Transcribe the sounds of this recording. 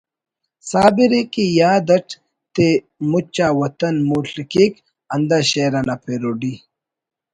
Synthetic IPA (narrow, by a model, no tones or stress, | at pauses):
saːbiɾekijaːd̪ɐʈ | t̪e | mut͡ɕːaːwɐt̪ɐnmuɬikik | ɐnd̪aɕeːɾɐnapʰeɾoɖi